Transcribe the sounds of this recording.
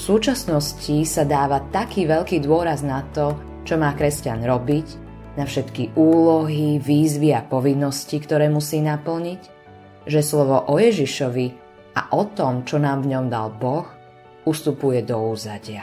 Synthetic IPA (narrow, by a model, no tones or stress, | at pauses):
suːt͡ʃasnɔscisad̪aːʋat̪akiːʋɛʎkiːd̪ʊɔɾaznat̪ɔ | t͡ʃɔmaːkɾɛscanɾɔbic | nafʃɛt̪kiʔuːlɔɦiʋiːzʋiapɔʋinːɔscikt̪ɔɾɛːmusiːnapl̩ɲic | ʒɛslɔʋɔʔɔjɛʒiʃɔʋi | a̰ʔɔt̪ɔmt͡ʃɔnaːmvɲɔmd̪a̰lbɔx | ust̪upujɛd̪ɔuːzaɟɪa